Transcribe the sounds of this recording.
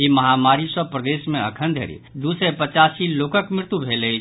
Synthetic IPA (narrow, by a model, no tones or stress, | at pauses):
iməɦamaɾisəpɾəd̪esmẽə̰kʰənd̪ʱə̰ɾḭd̪usepət͡ʃasilokəkmɾɪɾt̪ubʱeləi